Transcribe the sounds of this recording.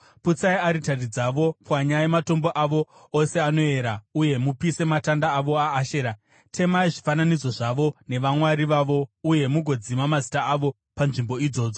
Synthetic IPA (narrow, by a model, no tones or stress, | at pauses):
put͡saiaɾitarid͡zaʋo̞pwaɲajemato̞mbo̞ʔaʋo̞ː | se̞ano̞e̞ɾauje̞mupise̞matandaːʋo̞aːʃe̞ːɾa | tʰe̞maiʐifananid͡zo̞ʐaʋo̞ne̞ʋamwaɾiʋaʋo̞uje̞muɡʱo̞d͡zimamazi̥taːʋo̞ | panʐimbo̞id͡zo̞ːd͡zo